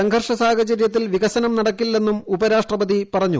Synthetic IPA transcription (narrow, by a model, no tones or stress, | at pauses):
sɐŋɡʱɐrʂɐsaːɣɐt͡ɕɐɾjɐt̪̬ːilʋiɣɐɕɐnɐmnɐɽɐkːilːe̞nːumubɐɾaːʂʈrɐbɐðipɐrɐɲːṵ